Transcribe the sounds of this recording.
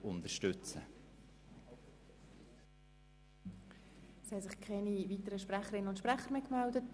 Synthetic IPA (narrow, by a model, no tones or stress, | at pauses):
ʊnt̪əʃtʏt͡sə | shɛsɪχkʰɛnivitəɾəʃpræχəɾɪnənʊnt̪ʃpʁɛχəɾmeːkmɛldət